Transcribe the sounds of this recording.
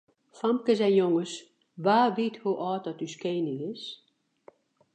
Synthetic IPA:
fɑmkəzɛnjoŋəs | ʋaːʋithuʔɔːt̚dɔtyskejnɪŋɪs

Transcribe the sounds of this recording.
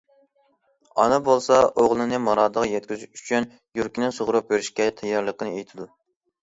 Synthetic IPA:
ɑ̰nɑbolˠsɑoʁlˠɨnɨmɑɾɑːd̪əʁjɛt̪̚kʲyzyy̥t͡ʃʰyn | juɾkʲinɪŋsoʁɾup̚beɾyʃkʲɛt̪ʰɛjːɑɾlˠəqʰənɨejt̪ʰɪd̪u

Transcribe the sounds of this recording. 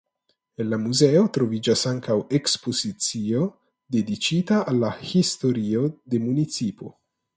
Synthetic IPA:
enlamuzeo̞t̪ɾo̞vid͡ʒasaŋkawekspo̞zit͡sio̞ | d̪ed̪it͡ʃit̪aːlːahist̪o̞ɾio̞d̪e̞munit͡sipo̞

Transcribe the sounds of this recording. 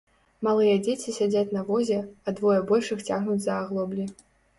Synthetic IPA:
malˠɨjɛd͡zʲet͡sʲisʲad͡zʲat͡sʲnɐvɔzʲɛɐd̪vɔjɛbɔlʲʂɨxt͡sʲaɣnud͡zʲzɐːɣlˠɔblʲi

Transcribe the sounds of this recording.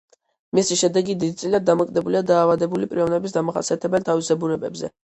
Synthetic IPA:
misiʃɛd̪ɛɡid̪id̪it̪sʼiliad̪̚d̪amɔkʼd̪ɛbuliad̪aːvad̪ɛbulipʼɾiɔvnɛbisd̪amaχa̰ɾsiat̪ʰɛbɛlt̪ʰavisɛbuɾɛbɛbzɛ̰

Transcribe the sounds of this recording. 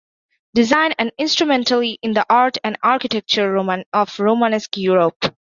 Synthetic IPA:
ɖɪzãɪ̃næ̃nɖɪ̃nsʈɾumɛ̃nʈəlˠiʔɪ̃nd̪əʔaːɹʈʰæ̃nɖaːɾkɪʈɛk̚t͡ʃəɹ̃ɔfɹoːmanɛskjuɹop

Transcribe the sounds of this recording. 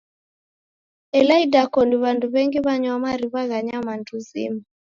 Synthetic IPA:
ɛlaidakɔndiβanduβɛŋɡiβaɲwamaɾiβaɣaɲamanduzḭma

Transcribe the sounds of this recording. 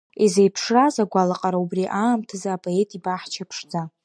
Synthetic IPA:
izejpʰʂrazaɡʷalaqʼaɾaubriʔaːmtʰɨzaːpʼoe̞tʼibaħt͡ʃʰapʰʂd͡za

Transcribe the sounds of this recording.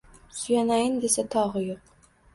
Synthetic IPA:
sʊjanajɪnd̪e̞sat̪ʰɒʁɨjoq̚

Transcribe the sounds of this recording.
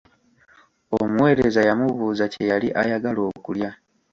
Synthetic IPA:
omuwe̞ːɾezajamuβuːzace̞jaliʔajaɡalo̞ːkulja

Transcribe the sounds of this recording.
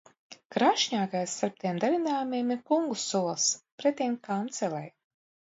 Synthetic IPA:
kɾaʃɲaːkajsːaɾp̚t̪iɛmd̪avʲinaːjumiɛmiɾkuŋɡusuɔlˠspɾɛt̪ʲimkant̪sɛlˠaj

